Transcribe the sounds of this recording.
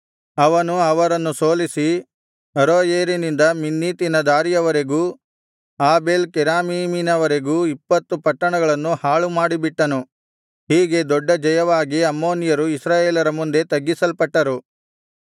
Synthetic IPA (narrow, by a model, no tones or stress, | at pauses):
ɐʋɐnuɐʋɐɾɐnːusoːlisi | ɐɾoːjeːɾinind̪ɐminːiːt̪inɐd̪aːɾijɐʋɐɾeɡuː | aːbe̞ːlkɛɾaːmiːminɐʋɐɾeɡuːipːɐt̪ːupɐʈːɐɳɐɡɐɭɐnːuhaːɭumaːɽibiʈːɐnu | ɦiːɡe̞d̪ɔɖːɐd͡ʒɐjɐʋaːɡiɐmːo̞ːnjɐɾuisɾaːjeːlɐɾɐmund̪e̞t̪ɐɡːisɐlpɐʈːɐɾu